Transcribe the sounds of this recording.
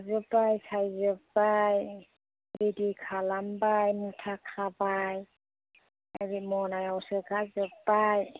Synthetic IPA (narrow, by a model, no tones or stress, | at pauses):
zɔbajsajzɔbaj | bidikʰalambajmutʰakʰabaj | aɹimɔnajawsɛɡazɔbaj